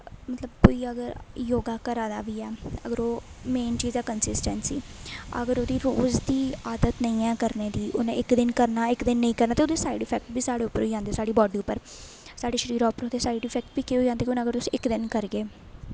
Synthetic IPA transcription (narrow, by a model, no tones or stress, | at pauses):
mət̪ləbkoːiːəɡəɾjoːɡaːkəɾãːd̪a̰ːʋiːɛːə̰ɡəɾoːmeːnt͡ʃiːzaːkənsɪsʈənsiːə̰ɡəɾoːd̪iːɾoːzd̪iːaːd̪ət̪nəĩːɛːkəɾneːd̪iːʔʊnḛ̃ːɪkd̪ɪnkəɾnaːɪkd̪ɪnːəĩːkəɾnaːt̪eːoːd̪eːsaːɪɖɪpʰɛːk̚ʈ̚biːsaːɽeːʊpːəɾɦoːid͡ʒãːnd̪eːsaːɖiːbɔːɖliːʊpːəɾ | saːɖeːʃəɾiːɾaːʊpːəɾɦõːd̪eːsaːɪɖɪfʰɛːk̚ʈbiːkeɦoːiːd͡ʒãːnd̪eːkiʊnːəɡəɾt̪ʊsĩːɪkd̪ɪnkəɾɡeː